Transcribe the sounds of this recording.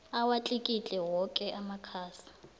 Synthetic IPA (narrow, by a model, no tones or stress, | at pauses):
awat͡ɬʼikʼit͡ɬʼɛwɔkʼɛʔamakʰaːsḁ